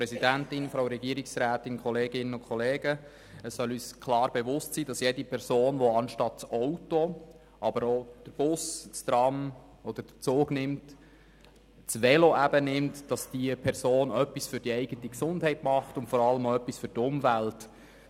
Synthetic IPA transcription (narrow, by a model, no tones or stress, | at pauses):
pɾɛsidæntɪnfɾowɾɛɡiəɾɪksɾæːtɪnkʰχɔleːɡɪnənʊnkχɔleːɡ̥ə | əsːœlyːskʰlɑːɾbeʋʊstsiːd̥ɑsjedipʰɛɾsoːnʋoɑnʃtɑt̚t͡sɔwto | ʔɑbəɾod̥əɾb̥ʊsstɾɑm | ɔd̥̪əɾd̥ət͡soːɡnɪmt | t͡sʋɛloʔæbənɪmtd̥ɑsd̥iəpʰɛɾsoːnœpːisfʏɾd̥iɛɪɡətiksʊndhɛɪtmɑχtʊntfɔɾɑləmoœpːisføɾtʊmvælt